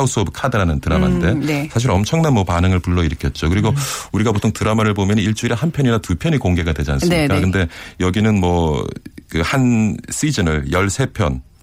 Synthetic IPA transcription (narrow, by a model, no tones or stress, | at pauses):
us͈ʰɯʌbɯkʰadɯɾanɯntɯɾama̰nde̞sʰaɕ̬iɾʌmt͡ɕʰʌŋnanmwʌpanɯŋɯɭpuɭːʌiɾɯkʰʌt̚t͡ɕ͈okɯɾiɡouɾiɡapotʰoŋtɯɾamaɾɯɭbomjʌniɭt͡ɕ͈uiɾehanpʰjʌɲinatupʰjʌɲikoŋɡe̞ɡadwe̞d͡ʑiansɯmɲik͈akɯnde̞jʌɡinɯnmwʌ | kɯhanɕ͈id͡ʑɯnɯɭjʌɭsʰe̞pʰjʌn